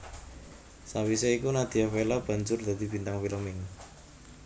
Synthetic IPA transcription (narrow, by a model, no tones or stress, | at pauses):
sawiseikunad̪̥i̤afelab̥a̤ɲd͡ʒʊrd̪̥a̤d̪̥i̤bint̪aŋfiləmɪŋ